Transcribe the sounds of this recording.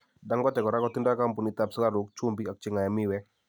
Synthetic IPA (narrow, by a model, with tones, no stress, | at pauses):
da˦ŋɡɔ˦tɛ˨kɔ˨ɾa˦kɔ˦t̪ɪ˦nda˦ka˦mpu˨ni˨t̪a˦pska˦ɾo˨k̚t͡ʃu˦mbi˦a˨k̚t͡ʃɪ˦ŋa˨ja˨mɪ˦wɛ˦